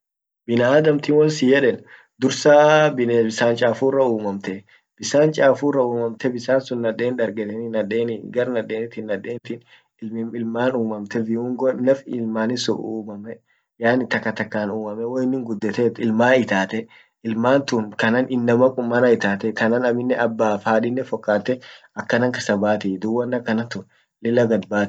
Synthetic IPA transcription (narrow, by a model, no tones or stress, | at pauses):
bɪnaaːd̪ɐmt̪iːwɔnsɪjɛᶑɛn | d̪ʊɾsaːbɪnbɪsaːnt͡ʃʼaːfuːrɐuːmɐmt̪ɛ | b̥ɪsaːnt͡ʃʼaːfuːrɐuːmɐmt̪ɛbɪsaːnsʊnːɐᶑe̞ːnᶑ̪ɐɾɡɛt̪ɛnɪnːɐᶑeːnɪɡɐɾnɐᶑe̞ːnɪt̪inːɐᶑe̞ːnt̪in | ɪmɪɪlmaːnuːmɐmt̪ɛvɪuŋɡɔnɐfɪlmaːnɪsʊ̰ʔuːmɐmɛ | jaːnɪt̪ɐkːɐt̪ɐkːaːnuːmɐmɛwoɪnːɪŋɡʊd̪ːɛt̪eːt̪ɪlmaːɪt̪aːt̪ɛ | ɪlmaːnt̪ʊnkɐnɐnɪnːɐmɐkʼʊmːɐnɐɪt̪aːt̪ɛkɐnɐnɐmɪnːɛʔɐbːaːfaːᶑɪnːɛfɔkːaːt̪ɛ | ɐkːɐnɐŋkɐsɐbaːt̪ɪd̪ʊwːɐnːɐkːɐnɐnt̪ʊn | lɪlɐɡɐd̪baːt̪